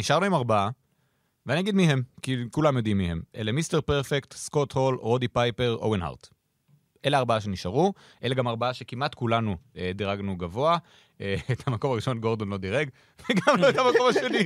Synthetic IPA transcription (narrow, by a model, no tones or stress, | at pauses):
niʃaʁnuimaʁbaa | veanijaɡid̪miɦe̞mkikulamjodimːihe̞mʔelemiste̞ʁpeʁfekt̪skotho̞lʁo̞dipajpe̞ʁo̰wenɦa̰ʁt̪ | ʔe̞leaʁbaaʃe̞niʃaʁu | ʔe̞leɡamaʁbaaʃe̞kimʔat̪kulanuediʁaɡnuɡavo̞a | eethamako̞maʁiʃo̞nɡo̞ʁd̪onlo̞d̪iʁeɡ | veɡamloet̪amako̞maʃe̞ni